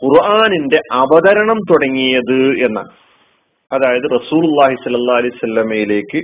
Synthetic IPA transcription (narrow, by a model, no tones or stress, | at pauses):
qurʔaːninde̞ʔɐbɐðɐɾɐɳɐmt̪uɽɐŋːijɐðɨe̞nːa̰ːl | ɐðaːjɐðɨrɐsuːlulˠˤːaːɦisɐlːɐlˠːaːɐlɐjusɐlːɐmɐjile̞ːkːɨ